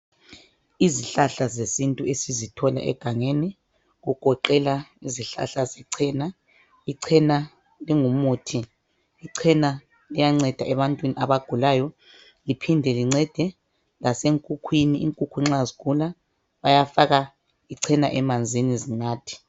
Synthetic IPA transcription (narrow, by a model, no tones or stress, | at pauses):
iziɬaɬazesintʼuesizitʰɔla̰ʔɛ̰ɡ̥ʱaŋeːni | ɣuɡ̥ʱɔǃɛlaiziɬa̰ɬazɛǀʰɛːna | iǀʰɛna | liŋumuːtʰi | iǀʰɛna | lijaŋ͡ǀɛd̥ʱaʔɛβantʼwiniaβaɡ̥ʱulajɔ | lipʰindʱɛliŋ͡ǀɛd̥ʱɛ | laseŋkʼukʰwiniiŋkʼukʰuiŋ͡ǁaziɣula | βajafaɣa | iǀʰɛnaʔɛmand͡zʱinizinaːtʰi̥